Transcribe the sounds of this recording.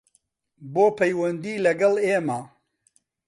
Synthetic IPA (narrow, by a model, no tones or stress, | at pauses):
boːpʰɐjwɐnd̪iːlɐɡɐleːmaː